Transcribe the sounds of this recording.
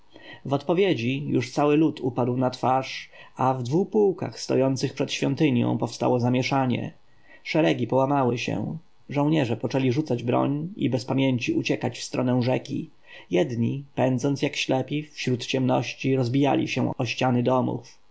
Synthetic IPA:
vɔt̪pɔvʲjed͡ʑijuʂt̪sawɘlut̪ʰupad̪wnat̪faʂavd̪vuxpuwka̰xst̪ɔ̰jɔnt̪sɘxpʂɛt̪ɕfʲjɔnt̪ɘɲjɔ̰̃w̃pɔfst̪a̰wɔzamʲjɛʂaɲɛ̰ | ʂɛɾɛɡʲipɔwamawɘɕɛ̰ | ʐɔ̃w̃ɲɛʐɛpɔt͡ʂɛlʲiʐut̪sad͡ʑbɾɔ̰ɲḭbɛspamʲjeɲt͡ɕiʔut͡ɕɛkat͡ɕfst̪ɾɔnɛw̃ʐɛkʲḭ | jɛd̪ɲipɛnd̪zɔnt̪jakɕlɛpʲifɕɾut̪t͡ɕɛmnɔɕt͡ɕiɾɔzbʲija̰lʲḭɕɛ̰ɔɕt͡ɕanɘd̪ɔmṵf

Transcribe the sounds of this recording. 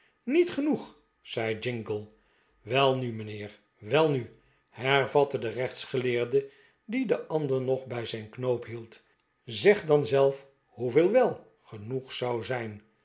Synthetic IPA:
nitχənuχ | z̥ɛjd͡ʒɪŋɡəlˠ | ʋɛlˠnymənɪːɹ | ʋɛlˠny | hɛɹvɑtədərɛχt̪sχəlɪːɹdə | didəʔɑndəɹnɔχbɛjzɛjnknowpɦilˠt | zɛχdɑnzɛlˠf | huvɪːlˠʋɛlˠ | χənuχsɑwzɛjn

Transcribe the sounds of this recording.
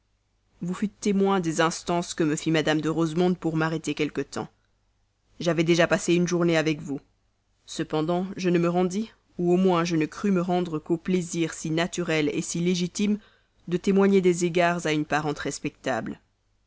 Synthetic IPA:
vufyt̪ːemwɛ̃d̪ezɛ̃st̪ɑ̃skəməfimad̪amd̪əʁozmɔ̃d̪̚puʁmaʁet̪ekʲɛlkət̪ɑ̰̃ | ʒavɛd̪eʒapaseynʒuʁneavɛkvu | səpɑ̃d̪ɑ̃ʒənəməʁɑ̃d̪i | uomwɛ̃ʒənəkχyməʁɑ̃d̪ʁəkopleziʁsinat̪yʁɛlḛsileʒit̪im | d̪ət̪emwaɲed̪ezeɡaʁzaynpaʁɑ̃t̪ʁɛspɛk̚t̪a̰bl

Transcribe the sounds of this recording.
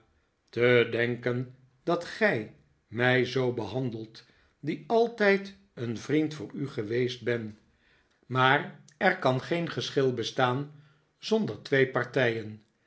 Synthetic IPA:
tədɛŋkən | dɑtχɛj | mɛjzowbəɦɑndəlˠt | diɑlˠtɛjt | ənvrintfʊːɹyχəʋejsd̚bɛn | maːr | ɛɹkɑnχejnχəsχɪlˠbəstaːn | z̥ɔndəɹtʋejpɑɹtɛjən

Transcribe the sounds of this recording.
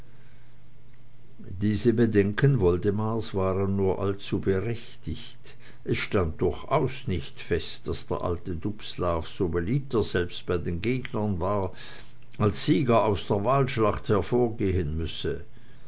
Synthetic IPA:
d̥iːzəbədɛŋkənvɔldəmaːsvaːʁənːuːɐʔalt͡suːbəʁɛçtɪçt | ʔɛsʃtant̚d̥ʊɐçʔaʊsnɪçtfɛstd̥asd̥eːɐʔa̰ltədupslaːfz̥oːbəliːp̚t̚d̥ɐsz̥ɛlpst̚b̥aɪdeːnɡeːɡnɐnvaːɐ | ʔalsz̥iːɡɐaʊsd̥eːɐvaːlʃlaχthɛɐfoːɐɡeːənmʏsə

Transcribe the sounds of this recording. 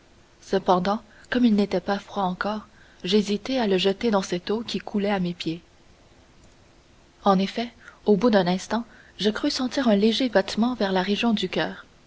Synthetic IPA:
səpɑ̃d̪ɑ̃ | kɔmilnet̪ɛpafχwaɑ̃kɔːʁ | ʒezit̪ealəʒət̪ed̪ɑ̃sɛt̪okʲikʰulɛamepje | ɑ̃nefɛobud̪ɛ̃nɛ̃st̪ɑ̃ | ʒəkʁysɑ̃t̪iːʁœ̃leʒebat̪mɑ̃vɛʁlaʁeʒjɔ̃d̪ykʲœːʁ

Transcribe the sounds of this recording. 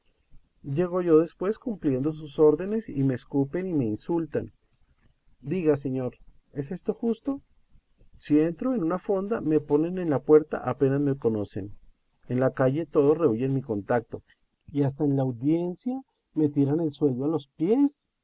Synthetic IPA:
d͡ʒe̞ɣ̞o̞ʝo̞ðe̞spwe̞skumplje̞nd̪o̞s̬uso̞ɾðe̞ne̞sime̞ːskupe̞nime̞insult̪an | d̪iɣas̬e̞ɲo̞ɾ | e̞s̬e̞st̪o̞xust̪o̞ | sie̞nt̪ɾo̞enunafo̞nd̪ame̞po̞ne̞ne̞nlapwe̞ɾt̪a̰ʔape̞nazme̞ko̞no̞se̞n | enlakaʝe̞t̪o̞ð̞o̞sre̞uʝe̞nmiko̞nt̪ak̚t̪o̞ | ias̬t̪aenlaːwðje̞nsja | me̞t̪iɾane̞lswe̞ld̪oalo̞spje̞s

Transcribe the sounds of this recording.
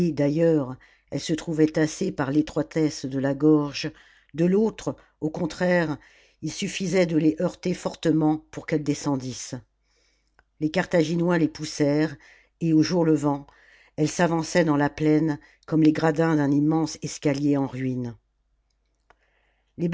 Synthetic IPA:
d̪ajœʁ | ɛlsət̪χuvɛt̪asepaʁlet̪χwat̪ɛsd̪əlaɡɔʁʒ | d̪əlot̪χ | okɔ̃t̪χɛʁ | ilsyfizɛd̪əleʔœʁt̪efɔʁt̪əmɑ̃puʁkɛld̪esɑ̃d̪is | lekaʁt̪aʒinwalepusɛʁ | eoʒuʁləvɑ̃ | ɛlsavɑ̃sɛd̪ɑ̃laplɛn | kɔmleɡʁad̪ɛ̃d̪ɛ̃nimɑ̃sɛskʲaljeɑ̃ʁɥin | leb

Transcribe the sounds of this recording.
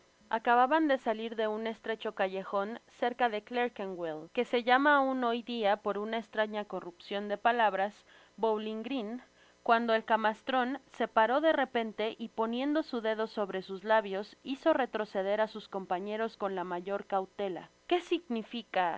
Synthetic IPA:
akaβaβand̪e̞saliɾðe̞une̞st̪ɾe̞t͡ʃo̞kaʝe̞xo̞nse̞ɾkaðe̞kleɾkeŋɡwelke̞se̞ʝamauno̞jðiapo̞ɾunaest̪ɾaɲako̞rupsjo̞nd̪e̞palaβɾas | bowliŋɡɾin | kwand̪o̞e̞lkamast̪ɾo̞nse̞paɾo̞ðe̞re̞pe̞nt̪e̞ʔipo̞nje̞nd̪o̞suðe̞ð̞o̞so̞βɾe̞suzlaβjo̞siso̞re̞t̪ɾo̞se̞ð̞e̞ɾasusko̞mpaɲe̞ɾo̞sko̞nlamaʝo̞ɾkawt̪e̞la̰ | ke̞siɣnifika

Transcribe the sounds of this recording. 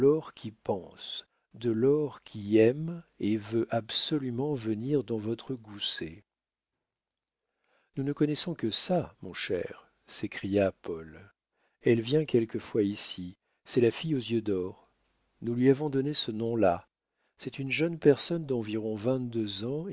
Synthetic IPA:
ɔʁkʲʰipɑ̃s | d̪əlɔʁkʲʰiɛmevøʔabsɔlymɑ̃vəniʁd̪ɑ̃vɔt̪χəɡuse | nunəkɔnɛsɔ̃kəsamɔ̰̃ʃɛ̰ʁ | sekχijapɔl | ɛlvjɛ̃kʲɛlkəfwaisi | sɛlafijozjød̪ɔʁ | nulɥiavɔ̃d̪ɔnesənɔ̃la | sɛt̪ynʒənpɛʁsɔnd̪ɑ̃viʁɔ̃vɛ̃t̪̚d̪øzɑ̃

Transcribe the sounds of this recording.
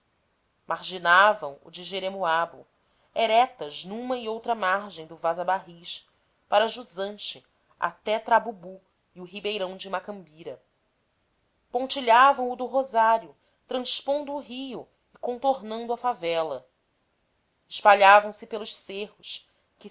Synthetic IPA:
mʔaɾʒinavɐ̰̃w̃ʊ̰d͡ʒɪʒeɾemuabʊ̰ | eɾɛt̪ɐznũmɐiowt̪ɾɐmaɾʒẽj̃d̪ʊvazabaɦiʃ | paɾɐʒuzɐ̃nt͡ʃɪ | a̰t̪ɛt̪ɾabubu | iʊɦibejɾɐ̃w̃d͡ʒɪmakɐ̃mbiɾɐ | põnt͡ʃiʎavɐ̃w̃ʊd̪ʊɦozaɾjʊ | t̪ɾɐ̃ʃpõnd̪ʊːɦijʊ | ɪkõnt̪oɾnɐ̃nd̪ʊɐfavɛlɐ | ɪʃpaʎavɐ̃w̃sɪpelʊʃsehʊʃ | kɪ

